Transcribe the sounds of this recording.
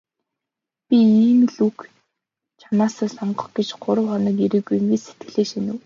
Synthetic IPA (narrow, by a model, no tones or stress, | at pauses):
pʲiiːmɮuk | t͡ɕʰanaːsəːsɔɴɢɞ̆χɡet͡ɕɢʊɾə̆wχɔnĭːkiɾiːɡuŋɡeːse̥t̪̚ɡ̥ɘ̆ɮeːʃinɘ̆w